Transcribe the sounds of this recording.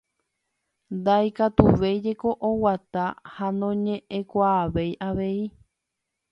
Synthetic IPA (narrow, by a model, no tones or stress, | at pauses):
nd̪ajkat̪uʋe̞jd͡ʒe̞ko̞ʔowat̪ahanõɲẽʔẽkʷaːʋe̞jʔaʋe̞i